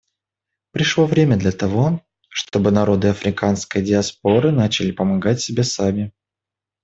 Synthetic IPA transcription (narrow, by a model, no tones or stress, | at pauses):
pɾʲɪʂlˠo̞vɾʲemʲəd̪lʲɐt̪ɐvo̞ | ʂt̪o̞bɨnɐɾo̞d̪ɨɐfɾʲɪkanskəjdʲɪɐsp̚o̞ɾɨnat͡ɕɪlʲɪpəmɐɡatʲsʲɪbʲe̞samʲɪ